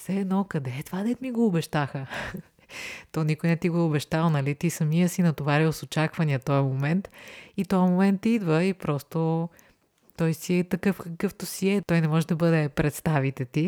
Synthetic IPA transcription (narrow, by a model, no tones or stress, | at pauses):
sɛːd̪nɔkɐd̪ɛt̪vad̪ɛt̪miɡoːbɛʃt̪axə | t̪ɔnikʊjnɛt̪iɡoʊbɛʃt̪alˠnɐlit̪isɐmijəsinɐt̪ovaɾiwˠsot͡ʃakvɐniət̪ɔjɐmomɛnt̪it̪ɔjɐmomɛnt̪id̪vəipɾɔst̪o | t̪ɔjsiɛt̪ɐkɤfkəkɤft̪osiɛt̪ɔjnɛmɔʒɛd̪ɐbɤd̪ɛpɾɛt̪st̪avit̪ɛt̪i